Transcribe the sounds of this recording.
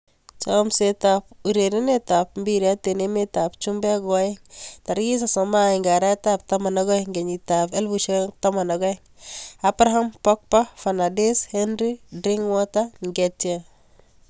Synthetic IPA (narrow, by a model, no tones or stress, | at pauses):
t͡ʃamsetap̚uɾeɾinetap̚mbiɾiatenemetapt͡ʃumbɛɡɔeŋtaɾɡis̬asɔmajiŋɡaɾatap̚tamanaɡɔjŋɡeɲitapelbuʃetamanaɡɔjŋapɾaɦampɔk̚pafanadeshɛnɾidɾiŋwɔtaŋɡetia